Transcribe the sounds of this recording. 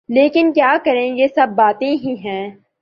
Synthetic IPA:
leːkɪnkjaːkɐɾẽjesɐbːaːt̪ẽɦĩɦɛ̃ː

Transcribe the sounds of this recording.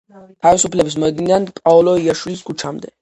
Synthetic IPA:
t̪ʰavisupʰlɛbis̬mɔɛd̪inand̪pʼaɔlɔiaʃwiliskʰut͡ʃʰamd̪ɛ

